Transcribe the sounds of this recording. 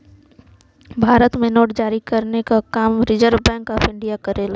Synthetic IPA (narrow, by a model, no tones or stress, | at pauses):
bʱaːɾət̪mẽnoːʈ̚d͡ʒaːɾikɐɾnekakaːmɾɪzəɾʋbɛ̃ːŋkaːfɪ̃ɳɖijakɐɾeːlaː